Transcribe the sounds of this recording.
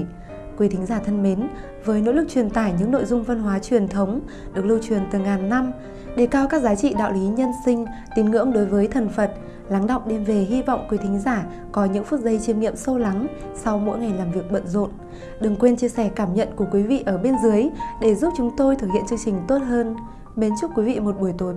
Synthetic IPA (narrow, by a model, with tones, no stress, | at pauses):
kwi˨˦t̪ʰï˨˦ŋ̟zaː˧˩t̪ʰə˧nme˨˦n | vəː˨˦jno̰˧˥lɨ˨˩k̚t͡ɕwi˨˩ənt̪a̰ː˧˩jɲɨ̰˧˥ŋno̰˧˨jzʊ˧ŋ͡mvə˧nɦwaː˨˦t͡ɕwi˨˩ənt̪ʰə˨˦wŋ͡m | ɗɨ˨˩ək̚lɨ˧wt͡ɕwi˨˩ənt̪ɨ˨˩ŋaː˨˩nːa˧m | ɗe˧˩kaː˧wkaː˦˥k̚zaː˨˦t͡ɕḭ˧˨ɗa̰ː˧˨wli˨˦ɲə˧nsï˧ŋ̟ | t̪i˨˦nŋɨ̰˧˥əŋɗo˨˦jvəː˨˦jt̪ʰə˨˩nfə˨˩t̚ | la˨˦ŋɗə̰˧˨wŋ͡mɗe˧nve˨˩ɦi˧va̰˧˨wŋ͡mkwi˨˦t̪ʰi˨˦ŋ̟zaː˧˩ | kɔ˨˦ɲɨ̰˧˥ŋfu˦˥t̚zə˧jt͡ɕi˨˦ənŋḭ˧˨əmsə˧wla˨˦ŋ | sa˧wmo̰˧˥jŋa˨˩jlaː˨˩mvi˨˩ək̚ɓə̰˧˨nzo̰˧˨n | ɗɨ˨˩ŋkwe˧nt͡ɕi˧əsɛ˧˩kaː˧˩mɲə̰˧˨nku˧˩əkwi˨˦vḭ˧˨ʔəː˧˩ɓe˧nzɨ˨˦əjɗe˧˩zu˦˥p̚t͡ɕʊ˨˦ŋ͡mt̪o˧jt̪ʰɨ˨˩k̚hḭ˧˨ə˨nt͡ɕɨ˧əŋt͡ɕï˨˩ŋ̟t̪o˦˥t̚ɦəː˧n | ɓe˨˦nt͡ɕu˦˥p̚kwi˨˦vḭ˧˨mo˨˩t̚ɓu˧˩əjt̪o˨˦